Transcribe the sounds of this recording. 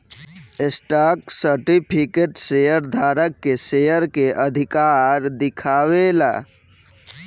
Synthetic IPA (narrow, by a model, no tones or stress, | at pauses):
esʈaksəɾʈipʰikeʈsejəɾd̪ʱaːɾəkːesejəɾkeʔəd̪ʱikaɾd̪ɪkʰawela̰